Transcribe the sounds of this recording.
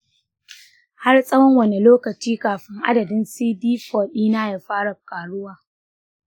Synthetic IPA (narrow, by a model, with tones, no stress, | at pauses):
ha˦rsʼɐ˦wɐ˦ŋwɐ˨ne˨loː˦kɐ˨t͡ʃiː˦kaː˨ɸɪ˦ŋʔa̰˦dɐ˨dɪ˦nsiː˦diː˦ɸɔː˨ɗiː˦naː˦ja˨ɸaː˦ɽa˨kaː˨ɽʊ˦waː˨